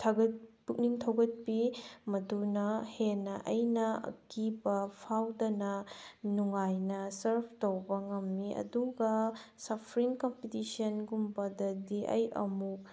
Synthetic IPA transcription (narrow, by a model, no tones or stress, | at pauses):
tʰɐɡɐt̚puk̚niŋtʰɐwɡɐt̚pimɐdunɐhenɐʔɐjnɐɐ̰kibɐpʰawdɐnɐnuŋajnɐsɐɾpʰtowbɐŋɐmːiɐ̰duɡɐsɐpʰɾiŋkompitisiɐnɡumbɐdɐdiʔɐ̰jɐ̰muk̚